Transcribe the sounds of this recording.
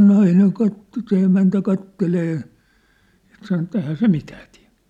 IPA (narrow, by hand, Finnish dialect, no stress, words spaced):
nɑineŋ kɑtːo se emæntæ kɑtːeleː jɑ sɑno etˑ ehæː se mitæː tlæ̥̝